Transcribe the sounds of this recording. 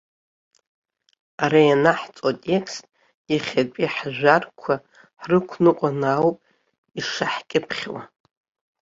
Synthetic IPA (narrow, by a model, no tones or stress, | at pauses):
aɾajanaħt͡sʼwatʼe̞kʰstʼ | iχʲat͡pʼiħʒʷᶣarkʷʰa | ħrɨkʷʰnɨqʷʼanawpʼ | iʂaħkʲʼɪpʰχʲwa̰